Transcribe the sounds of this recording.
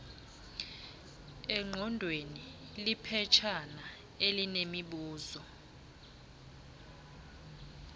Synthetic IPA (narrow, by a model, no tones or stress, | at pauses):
ɛŋ͡ǃʱɔndʱweni | lipʰɛt͡ʃʰana | elinemiɓuːzɔ